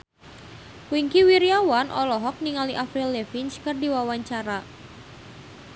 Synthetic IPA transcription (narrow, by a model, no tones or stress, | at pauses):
wiŋkiwiɾiawanʔɔlɔɦɔk̚niŋaliʔafɾilːefinskɨrdiwawaɲt͡ʃaɾa